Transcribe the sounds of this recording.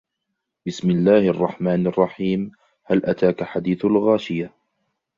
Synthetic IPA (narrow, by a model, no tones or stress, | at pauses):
bɪsmɪlːaːhʔɑrˤːɑħmaːnɑrˤːɑħiːm | halʔat̪aːkaħad̪iːθalɣaːʃɪja